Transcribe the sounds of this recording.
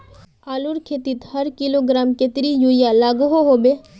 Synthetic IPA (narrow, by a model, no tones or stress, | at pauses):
aːluɾkʰeːt̪it̪hɐɾkiloɡɾaːmket̪ɾijujalaːɡɦoɦoːbeː